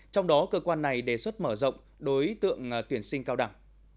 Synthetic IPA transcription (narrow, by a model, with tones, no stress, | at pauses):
t͡ɕɔ˧wŋ͡mɗɔ˨˦kəː˧kwaː˧nːa˨˩jɗe˧˩swə˦˥t̚məː˧˩zə̰˧˨wŋ͡m | ɗo˨˦jt̪ɨ̰˧˨əŋt̪wi˧˩ənsï˧ŋ̟kaː˧wɗa˧˩ŋ